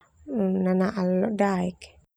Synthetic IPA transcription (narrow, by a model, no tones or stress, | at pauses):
nanaʔalɔdaik